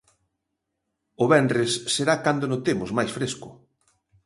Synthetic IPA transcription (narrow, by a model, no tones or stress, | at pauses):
ʊβɛndresːeɾakand̪onot̪emʊzmajsfɾeskʊ